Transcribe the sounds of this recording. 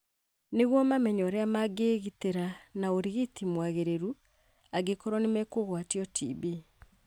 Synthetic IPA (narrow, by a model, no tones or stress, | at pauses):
neɣwɔmamɛɲɔɾɛamaɡeɣiteɾanaoɾiɣitimwaɣeɾeɾu | aɡekɔɾɔnemɛkoɣwatiɔtʰḭbi